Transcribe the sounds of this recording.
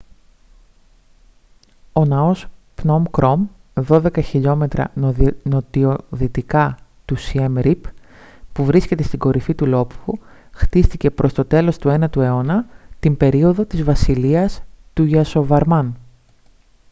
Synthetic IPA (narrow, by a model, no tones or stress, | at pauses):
o̞nɐo̞s | pno̞mkɾo̞m | ðo̞ðe̞kɐçiʎo̞me̞t̪ɾɐ̰not̪ioðit̪ikɐt̪usiemɾip | puvɾisce̞t̪e̞st̪iɡo̞ɾʔifit̪ulo̞pfu | xt̪ist̪ice̞pɾʔo̞st̪o̞t̪e̞lo̞st̪ue̞nɐt̪ue̞o̞nɐt̪imbe̞ɾio̞ðo̞t̪izvɐsiliɐst̪uʝɐso̞vɐɾmɐn